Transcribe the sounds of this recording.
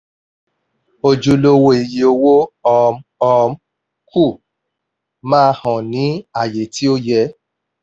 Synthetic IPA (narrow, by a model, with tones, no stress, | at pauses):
o˧d͡ʒu˧lo˦wo˦i˨je˨o˧wo˦ɔ˧ɔ˧m˦ | ku˦˨ | mãː˦˧˦hɔ̃˨nĩ˨˦a˦˨je˨ti˨˦o˦jɛ˧˦